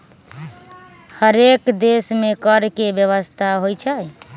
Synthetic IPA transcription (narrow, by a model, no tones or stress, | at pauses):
həɾekd̪esmekəɾkebjəβəst̪ʰaɦojt͡ʃʰə